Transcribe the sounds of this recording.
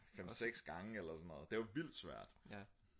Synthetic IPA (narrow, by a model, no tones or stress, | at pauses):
fem̰seɡ̥sɡ̥ɑ̈ŋəelɐsɔnːɔ̽ðˠd̥e̝ʋɑ̈ʋil̰d̥sʋæɐ̰d̥